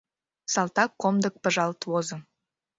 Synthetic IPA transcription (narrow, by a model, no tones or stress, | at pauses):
sɑlˠt̪ɑkːomd̪ək̚pə̆ʒɑlt̪wozɤ̆